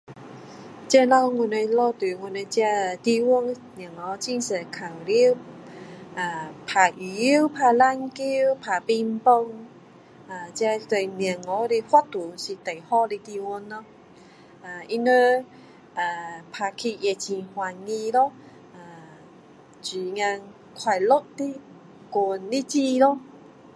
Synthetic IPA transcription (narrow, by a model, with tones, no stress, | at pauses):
t͡ɕja˧lɔ˧ŋu˧˩ne˧lɔ˧t̪u˨ŋu˧˩ne˧t͡ɕja˧˨t̪i˧wu˧˦n | nja˨˩˨ŋɔ˨˦t͡ɕi˧nse˨˩kʰa˨˩wli˦ | ʔa˨˩pʰa˨˩ʔi˨˩˨wpʰa˧˩la˧ŋki˦wpʰa˨˩pi˧mpo˧ŋ | a˨˩t͡ɕa˧t̪we˨˩˨mi˨˩ŋɔ˨˦ɾi˧hwa˦t̪u˨˦ɕi˨t̪e˨˩jhɔ˧˦li˧t̪i˧wu˧˦nːɔ˧˦ | a˨i˧nə˦ | a˨pʰa˨˧kʰi˧ʔje˨˧˨t͡ɕĩ˧hwa˨˩ŋi˧lɔ˦ | a˨ | t͡ɕi˨ŋa˧ŋ | kʰwa˧˩jlo˦t̚t̪i˦ | ku˨˩nli˦t͡ɕi˧lo˦